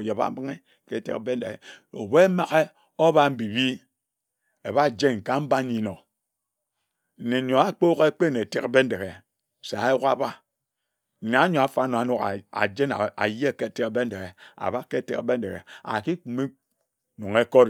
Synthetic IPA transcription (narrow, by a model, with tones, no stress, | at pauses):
je˨ba̰˦bi˦ŋe˦ | ke˦˨tḛ˦kbe˦n̩˦e˨ḛ˨o̰˨be˦ma˦ɣe˦ | o˦βa˦m̩˦bi˨bi˦ | e˨βa˦˨d͡ʒe˦nŋ̩˨ka˦m̩˦ba˦ɲi˨˦no˨ | n̩˨ne˨ɲo˨a˦k͡po˦ɣe˦k͡pe˦ne˨te˦kbe˦n̩˦de˨ɣe˨ | se˨a˨˦ju˦ka˦ba˦ | n̩˨na˨˦ɲo˨a˨fa˦no˨a˨nu˦ka̰˨a̰˨d͡ʒe˦n˨a̰˨je˦˨ke˦˨te˦kbe˦n̩˦de˨ɣe˨a̰˨ba˦ke˦˨˦tḛ˦kbe˦n̩˦de˨ɣḛ˨a̰˨ki˦k͡pu˨me˦ | nu˨ŋe˦ko˦ɾ